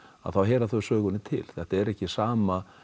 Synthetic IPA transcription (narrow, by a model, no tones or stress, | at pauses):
a̰ðθawɦɛːɾaθœɥsœːɣʏnɪt̪ʰɪ̰lθɛht̪aɛɾɛhcɪsaːma